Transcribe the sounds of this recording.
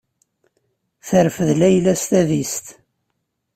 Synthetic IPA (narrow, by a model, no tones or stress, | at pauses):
θəɾfəðlæjlæst̪æðist̪